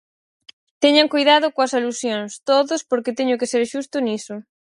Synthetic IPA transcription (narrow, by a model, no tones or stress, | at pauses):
t̪ɛɲaŋkojðaðʊkoɐsalusjoŋst̪oðʊspoɾket̪ɛɲʊkeseɾʃust̪ʊnisʊ